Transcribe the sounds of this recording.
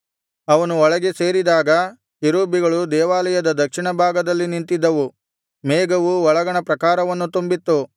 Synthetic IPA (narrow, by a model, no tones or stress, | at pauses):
ɐʋɐnuɔɭɐɡe̞se̞ːɾid̪aːɡɐ | iɾuːbiɡɐɭud̪ɛːʋaːlɐjɐd̪ɐd̪ɐkʂiɳɐbʱaːɡɐd̪ɐlːinint̪id̪ːɐʋu | meːɡɐʋuɔɭɐɡɐɳɐpɾɐkaːɾɐʋɐnːut̪umbit̪ːu